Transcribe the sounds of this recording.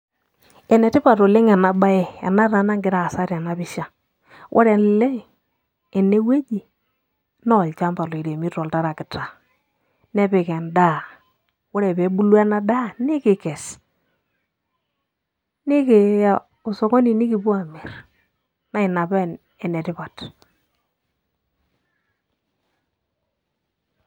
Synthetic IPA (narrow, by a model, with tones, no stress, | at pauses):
ɛ˨nɛ˨tɪ˦pa˨to˨le˦ŋɛ˨na˨ba˦ɛ˦˨ɛ̰˨na˦ɾa˨na˦ŋɡɪ˨ɾa˦˨sa˦ɾɛ˨na˨bɪ˦ʃa˨ | wʔɔ̰˦ɾɛ˨n˨lɛ˦ŋ˨ | ɛ˨ne˦we˦d͡ʒi˨ | nɔ˦˨lt͡ʃa˦mba˨lo˨i˨ɾe˨mi˦tɔ˨lta˦ɾa˨kɪ˨ta˨ | nɛ˦pe˨kɛ˨nda˦ | wɔ˦ɾɛ˨pe˨˦bu˦lwa˦na˦da˦nɪ˦kɪ˨kɛ˨s | nɪ˦ke˨ja˨ | ʊ˨sɔ˨kɔ˦ni˨nɪ˦kɪ˨bu˦a˨mɛ˨ɾ | na˦ɪ˨na˨ba˦˨ | ɛ˨nɛ˨tɪ˦pa˨t